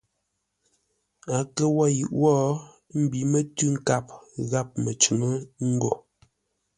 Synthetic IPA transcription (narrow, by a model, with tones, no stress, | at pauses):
a˨kə˦wɔ˦˨jʉ˨ʔwɔ˦ | m̩˦bi˨mə˦tʉ˦ŋ̩˦ka˦˨p̚ɣa˦˨p̚mə˨t͡ʃu˨mə˦ŋ̩˦ɡo˨